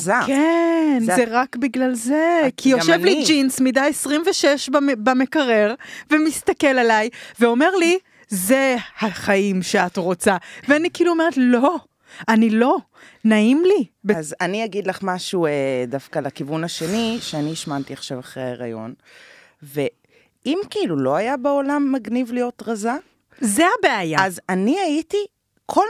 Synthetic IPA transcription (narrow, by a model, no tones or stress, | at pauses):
zakenzeʁakbiɡlalzekʰijoʃevlid͡ʒinsmidajesʁimveʃeʃbbamekaʁe̞ʁvemistɐke̞lalajveo̞me̞ʁli | zehaχaimʃe̞atʁo̞t͡saveanikiːluome̞ʁetlo̞ | anilo̞ | naimlibezaniaɡidlaχmaʃuedafkalakivunaʃeniʃeaniʃmantiaχʃavaχʁea̰ʁa̰jo̞̰n | ve | ʔimkiilulo̞ajabeolamːaɡnivlijo̞tʁaza | zeabeajazaniaiti | kʰo̞l